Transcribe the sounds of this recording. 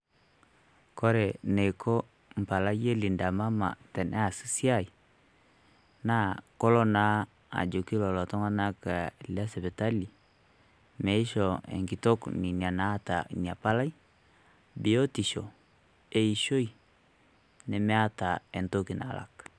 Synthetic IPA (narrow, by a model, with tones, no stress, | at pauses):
kɔ˦ɾɛ˨ne˨kʰɔ˦ | m̩˨pa˨la˦je˦li˨nda˨ma˦ma̰˨tɛ˨nʔɛ˦a˨si̥˦si˦a˦˨i˨ | na˦kɔ˦lɔ˦na˦ | a̰˨d͡ʒo˨ki˦lɔ˨lɔ˨tɔ˦ŋa˦na˦ka˨la˦sɛ˨bɛ˨ta˦li˨ | mɛ˨˦i˦ʃɔ˨ɛ̰˨ŋki˨to˦kni˨ni˨a˨na˦ta̰˨ni˨a˨pa˦la˦i˦ | bi˨jo˦ti˨ʃɔ˨ | e˨i˨ʃo˦i˨ | nɛ˨mɛ˦a˦ta˨ɛ˨nto˦ki˨na̰˨la̰˨k